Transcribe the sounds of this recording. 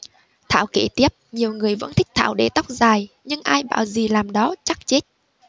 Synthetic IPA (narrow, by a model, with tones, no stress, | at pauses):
t̪ʰa̰ː˧˨wke˧˩t̪i˦˥əp̚ɲi˨˩əwŋɨ˨˩əjvə̰˧˥nt̪ʰï˦˥k̟̚t̪ʰa̰ː˧˨wɗe˧˩t̪a˦˥wk͡p̚zaː˨˩j | ɲɨ˧ŋʔaː˧jɓa̰ː˧˨wzi˨˩laː˨˩mɗɔ˨˦t͡ɕa˦˥k̚t͡ɕe˦˥t̚